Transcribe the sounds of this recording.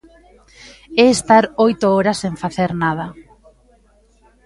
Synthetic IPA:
ɛːst̪aɾojt̪oɔɾɐsːeɱfaθeɾnað̞ɐ

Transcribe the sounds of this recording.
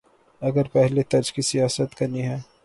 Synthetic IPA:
ɐɡəɾpɛɦlet̪ɐd͡ʒkisijaːsət̪kɐniɦɛː

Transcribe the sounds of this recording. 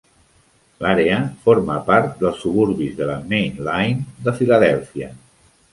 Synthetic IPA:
laɾeəfoɾməpaɾt̪̚d̪əlˠsuβuɾβizðəlamejnlajnd̪əfiləð̞ɛlˠfiə

